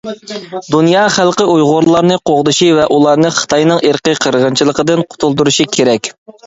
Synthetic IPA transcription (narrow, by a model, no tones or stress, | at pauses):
d̪unjɑχælˠqəujʁʊɾlˠɑɾnɨqʰoʁd̪ɨʃivɛʔulˠɑɾnɨχə̥t̪ʰɑjnɨŋeɾqəqʰəɾʁənt͡ʃʰilˠəqəd̪ɨnqʰʊ̥t̪ʰulˠd̪uɾuʃikʲʰeɾɛkʲ